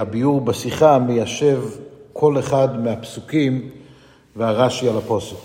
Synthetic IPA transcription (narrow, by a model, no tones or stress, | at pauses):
habijuʁbasiχamejaʃe̞vkʰo̞leχad̪meapsukim | veaʁaʃialapo̞so